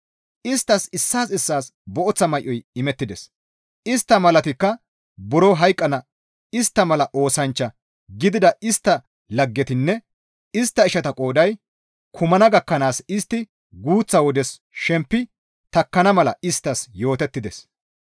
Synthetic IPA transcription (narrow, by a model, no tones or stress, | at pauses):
ʔɪst̪ːɐsɪsːaːsɪsːaːsbɔʔɔt͡sːɐmɐjʔːɔjɪmɛt̪ːɪd̪ɛs | ɪst̪ːɐmɐlɐt̪ɪkːɐ | bɔɾɔɦɐjkʼːɐnɐ | ɪst̪ːɐmɐlɐʔo̞ːsɐnt͡ʃːɐ | ɡɪd̪ɪd̪ɐɪst̪ːɐ | lɐɡːɛt̪ɪnːɛ | ɪst̪ːɐɪʃɐt̪ɐkʼo̞ːd̪ɐj | kʰʊmɐnɐɡɐkːɐnaːsɪst̪ːɪ | ɡuːt͡sːɐwɔd̪ɛs | ʃɛmpːɪ | t̪ɐkːɐnɐmɐlɐ̰ɪst̪ːɐsjo̞ːt̪ɛt̪ːɪd̪ɛs